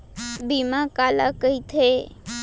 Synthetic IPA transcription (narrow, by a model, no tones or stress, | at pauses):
bimãkaːlakəit̪ʰe